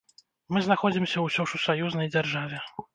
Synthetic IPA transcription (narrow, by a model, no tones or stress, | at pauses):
mɨznaxɔd͡zʲimsʲɐwsʲɔʂusajuznɐjd͡zʲarʐavʲɛ